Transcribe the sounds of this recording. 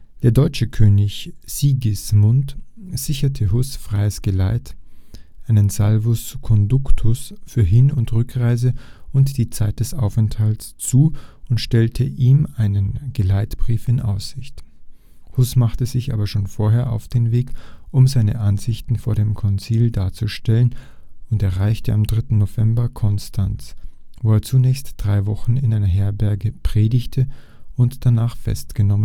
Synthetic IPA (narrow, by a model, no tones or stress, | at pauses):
d̥eːɐdɔʏt͡ʃəkʰøːnɪçz̥iːɡɪsmʊnt | z̥ɪçɐtʰəɦʊsfʁ̥aɪəsɡ̥əlaɪtʔaɪnənzalvʊskʰɔndʊktʰʊsfyːɐɦɪnʊntʁʏkʁaɪzəʔʊntd̥iːt͡saɪt̚d̥ɛsʔa̰ʊfɛnthaltst͡suːʔʊntʃtɛltʰəʔiːmaɪnənɡ̥əlaɪtb̥ʁiːfɪnʔa̰ʊsz̥ɪçt | hʊsmaχtəzɪçʔa̰ːbɐʃoːnfoːɐɦeːɐʔa̰ʊfd̥eːnveːkʔʊmzaɪnə̰ʔanzɪçtn̩foːɐɾeːmkʰɔnt͡siːldaːɐt͡suʃtɛlənʊntɛɐʁaɪçtəʔamdʁɪtn̩nov̥ɛmbɐkʰɔnstʰant͡svoːeːɐt͡sunɛːçstd̥ʁaɪvɔχn̩ɪnʔaɪnɐɦɛɐbɛɐɡəpʁ̥eːdɪçtʰə | ʊntd̥anaːχfɛ̰stɡ̥ənɔmən